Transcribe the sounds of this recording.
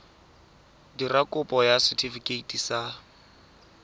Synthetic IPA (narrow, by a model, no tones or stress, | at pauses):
dirakʼʊpʼɔjasɪtʰʼifikʼeitʼisa